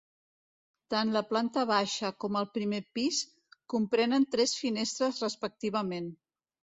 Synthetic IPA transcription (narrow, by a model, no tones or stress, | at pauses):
t̪anləplant̪əβ̞aʃəkɔməlˠpɾimepis | kumpɾɛnənt̪ɾɛsfinest̪ɾəzrəspək̚t̪iβ̞əmen